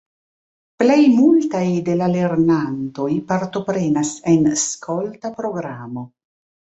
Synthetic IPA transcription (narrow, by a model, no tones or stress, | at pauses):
ple̞jmultajde̞lale̞ɾnanto̞jpaɾto̞pɾe̞nase̞nskʰo̞ltapɾo̞ɡɾamo̞